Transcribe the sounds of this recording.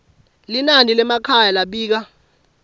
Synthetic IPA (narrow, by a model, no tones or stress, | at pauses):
linanilɛmakʰajalaɓiːk̬a